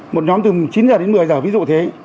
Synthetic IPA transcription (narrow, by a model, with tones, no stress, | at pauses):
mo˨˩t̚ɲɔ˨˦mt̪ɨ˨˩t͡ɕi˨˦nzaː˨˩ɗe˨˦nmɨ˨˩əjzəː˨˩vi˨˦z̰t̪ʰe˨˦